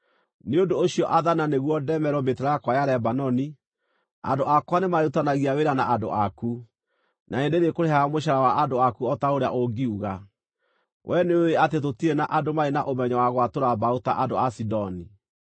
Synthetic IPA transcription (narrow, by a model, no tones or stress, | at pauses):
neondoːɕiɔʔaðananeɣwɔdɛmɛɾɔmbeteɾaakwajaɾɛbanɔni | a̰ndoʔakwanemaeutanaɣiaweɾanaʔado̰ʔaku | nʔaendeɾekoɾeɦaamoʃ̬aɾawaʔandoakuɔtaoɾea̰ʔoɡiuɣa | wʔɛneoeatetotiɾenaʔadomaenaʔomɛɲɔwaɣwatoɾabauta̰ʔandoasidɔni